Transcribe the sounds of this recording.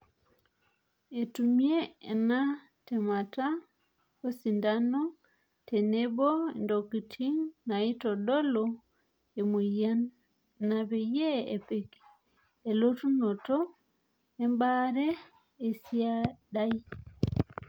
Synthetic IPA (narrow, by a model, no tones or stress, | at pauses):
etumieːna | tɛmata | kosindanɔ | tenebondokitʰiŋnaitɔɗɔlɔ | emojanː | abejeḛpeki̥ | elotunotɔ | embaɾɛː | siaɗaji